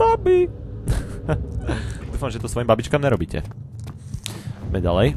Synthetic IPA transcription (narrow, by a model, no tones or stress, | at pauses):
abi | d̪uːfamʒɛt̪ɔsʋɔjimbabit͡ʃkamɲɛɾɔbiːcʰɛ̰ | mɛ̰ɟa̰lɛj